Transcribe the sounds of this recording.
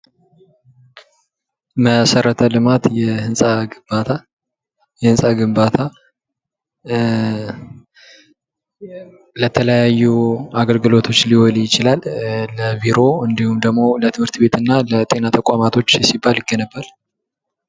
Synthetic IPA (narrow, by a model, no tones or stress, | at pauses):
məsəɾət̪ʰəlɨmat̪jɛhɨnsʼaɡɨmbat̪ʰa | jɛhɨnsʼaɡɨmbat̪ʰa | lət̪ʰələjajːuaɡəlɡɨlo̞t̪ʰo̞t͡ʃːlihɔljɪt͡ʃɪlalːəviɾo̞ɨnd̪ihumd̪əɡmo̞lət̪ʰɨmhɨɾt̪be̞t̪ɨnːalət̪ʼe̞nat̪ʰəkʷʼamat̪ʰo̞t͡ʃːɛsibːaljɪɡənəbːəl